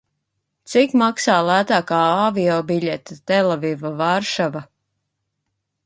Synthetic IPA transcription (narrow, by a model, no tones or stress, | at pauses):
t̪sikmaksaːlæːt̪aːkaːaviɔːbiʎʲɛt̪at̪ɛlɛvivavaɾʃava